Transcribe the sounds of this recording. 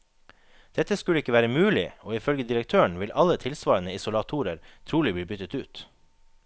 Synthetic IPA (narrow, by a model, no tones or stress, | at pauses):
d̪̥ɛt̪əskʉləɪkːəʋæːɾəmʉːlɪ̰oːɪfœlɡəd̪ɪɾək̚t̪ʰøːəɳʋɪlʔɑlət̪ʰɪlsʋɑːɾənəɪsʊlɑt̪ʰuːɾəɾt̪ʰɾuːlɪbliːbʏt̪ət̪ʉːt̪